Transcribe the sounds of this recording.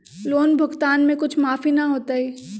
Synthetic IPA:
loːnbʱʊɡt̪aːnmẽkʊt͡ʃʰmaːfinɐɦoːt̪aɦiː

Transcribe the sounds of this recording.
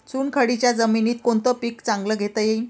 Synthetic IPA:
t͡suːnkʰəɽit͡ɕjad͡zəminiːt̪koɳt̪əpikt͡saŋɡləːɡʱet̪əjei

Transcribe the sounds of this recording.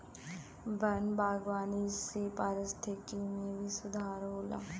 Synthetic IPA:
bənbaːɡʋaːniːseːpaːɾəst̪ʰeːkiːneːʋiːsʊd̪ʱaːɾɦoːla̰ː

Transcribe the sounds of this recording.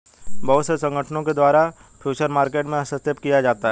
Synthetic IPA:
bɐɦʊt̪sesɐ̃ŋɡʱəʈʰnõked̪waːɾa | pʰjuːt͡ʃəɾmaːɾkeːʈmẽɐsəst̪ɪpkijad͡ʒaːt̪aɦɛː

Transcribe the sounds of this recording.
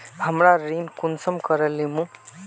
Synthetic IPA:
həmɾaɾinkunsəmkəɾəlimũ

